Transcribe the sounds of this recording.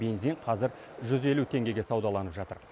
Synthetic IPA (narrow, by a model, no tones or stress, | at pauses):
be̞nziɴqʰɑzɪɾ | ʒʏze̞lut̪ʰe̞ŋɡʲe̞ɡʲe̞sɑwd̪ɑlˠɑnəpʒɑt̪əɾ